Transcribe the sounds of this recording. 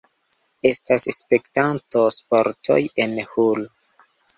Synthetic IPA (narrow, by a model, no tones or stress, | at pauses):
e̞stasspe̞ktanto̞spoɾtʰo̰jenhul